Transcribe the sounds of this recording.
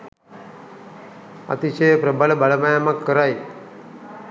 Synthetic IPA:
a̰t̪iɕəjəpɾəbalbaləmajamakːəɾaj

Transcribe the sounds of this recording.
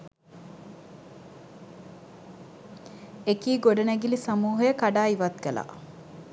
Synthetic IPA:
ekiːɡoɖɐnæɡilisamuːɦɐjəkaɖaːiʋɐt̪̚ɡəla̰ː

